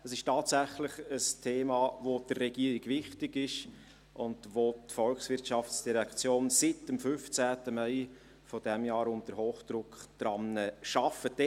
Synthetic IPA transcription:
əsɪʃtɑːtsæχlɪχəstʰeːmɑːvod̥əːɛɡiəɾiɡvɪχtɪɡɪʃ | ʔʊndʋotfɔlksvɪrtʃɑft͡sd̥iɾɛkt͡sjoːnsɪtəmfʏft͡sæːtəmæɪ | fɔd̥ɛmjɑːɾʊntəɾɦoːχd̥ɾʊkχd̥rɑmnəʃɑfəd̥ɛ

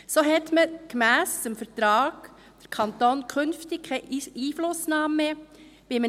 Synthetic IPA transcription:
soɦɛtməkmæːsəmfəɾtɾɑːɡ̥ | d̥əɾkʰɑnt̪oːnkʰχɵnftɪk̚kʰɛiːflʊsnɑːmːe | ʋɪmə

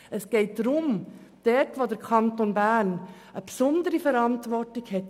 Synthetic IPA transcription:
əsɡ̥eɪt̚dɾʊm | d̥ɛtʋoːdəɾkʰɑntonbæn | əpsʊndəɾifəɾɑntʋɔɾtɪçhɛt

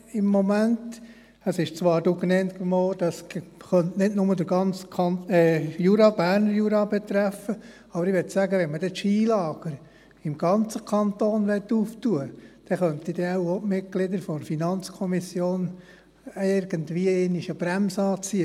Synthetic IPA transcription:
ɪmːɔmænt | əsɪʃt͡sʋɑːɾd̥oknɛnt̪kmoːd̥ɑsχœntnɪdnʊmədəɾɡɑnt͡skʰɑnɛjuɾɑb̥æːɾnəɾjuɾɑbɛt̪ɾæfːə | ɑbəɾɪʋɛtsæɡəʋɛnməd̥ɛtʃiːlɑːɡ̥əɾ | ɪmɡ̥ɑnt͡səkʰɑnt̪oːnʋɛtːuːftuəd̥ɛχœnt̪id̥ɛawomɪt̚ɡ̥lɪd̪əɾfɔfinɑnt͡skʰɔmisjoːn | ɪɾɡ̥əndʋiːəeniʃəb̥ɾæmsɑːt͡siə

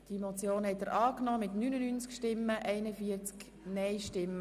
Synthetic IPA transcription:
d̥imot͡sjoːnhɛtəɾʔɑːknɔːmɪtnynənynt͡skʃtɪmːəʔɛɪnəfiəɾt͡sk | nɛɪʃtɪmːə

